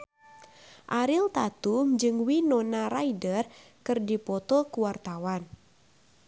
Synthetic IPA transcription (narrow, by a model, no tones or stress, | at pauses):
ʔaɾilt̪at̪umd͡ʒɨŋwinɔnaɾaidər | kɨrdipɔt̪ɔkuwart̪awan